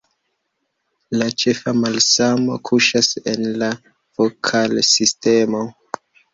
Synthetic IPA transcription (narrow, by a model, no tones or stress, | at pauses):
lat͡ʃe̞famalsamo̞̰kʰuʃasḛnla | v̥okʰalsistemo